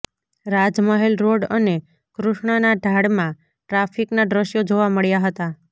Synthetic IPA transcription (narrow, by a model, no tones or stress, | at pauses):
ɾad͡ʒməɦelɾoɖəne | kɾuʃɳ̃ənaɖʱaɽmã | ʈɾafʰiknaɖɾəʃjod͡ʒoʋaməɭjaɦət̪a